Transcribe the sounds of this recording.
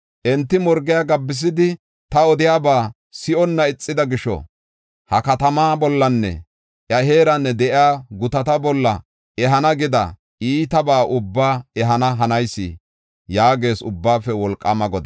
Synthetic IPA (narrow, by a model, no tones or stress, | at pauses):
ʔɛnt̪ːɪmɔɾɡɪjaɡɐbːɪs̬ɪd̪ɪ | t̪ɐɔd̪ɪjaːbaː | sɪʔɔnːɐɪt͡sʼːɪd̪ɐɡɪʃɔ̰ | hɐkɐt̪ɐmaːbɔlːɐnːɛ̰ | ʔjɐɦe̞ːɾɐnːɛd̪ɛʔɪaːɡʊt̪ɐt̪ɐbɔlːɐ̰ | ʔɛɦɐnɐɡɪd̪ɐ̰ | iːt̪ɐbaːʔʊbːaːɛɦɐnɐɦɐnɐjsːɪ̰ | jaːɡe̞ːsʊbːaːfɛwɔlkʼːɐmɐɡɔd̪ɐ